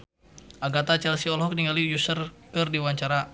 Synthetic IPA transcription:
ʔaɡat̪at͡ʃɛlsiɔlɦɔk̚niŋalijusərkərdiwaɲt͡ʃaɾa

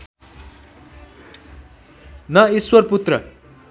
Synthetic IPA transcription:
nʌiswʌrput̪rʌ̰

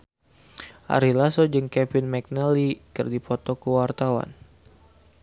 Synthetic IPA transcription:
ʔa̰ɾilasɔd͡ʒɨŋkɛpinmɛk̚nəlikɨrdipɔt̪ɔkəwart̪awa̰n

